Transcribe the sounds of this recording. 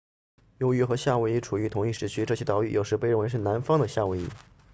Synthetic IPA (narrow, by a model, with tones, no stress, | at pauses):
jo˧˥ʊy˥˩xɤ˧˥ɕja˥˩we˥ɪi˧˥˩ʈ͡ʂʰu˨˩y˧˥t̪ʰʊ˧˥ŋi˥˩ʂɻ̩˥˩t͡ɕʰy˥ʈ͡ʂɤ˥˩ɕʰjɛ˥t̪ɑ˧˥ʊy˥˩jo˨˩ʊʂɻ̩˧˥pe˥˧ɪɻnwɪʂɻ̩˥˩na˧˥nfɑ˥ŋd̪ə˨ɕja˥˩we˧˥˩ɪḭ˥